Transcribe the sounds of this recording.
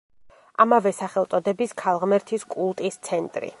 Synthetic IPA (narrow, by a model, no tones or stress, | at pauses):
amavɛsaχɛlˠt̪sʼɔd̪ɛbiskʰalˠʁmɛɾt̪ʰiskʼulˠt̪ʼist̪sʰɛnt̪ʼɾḭ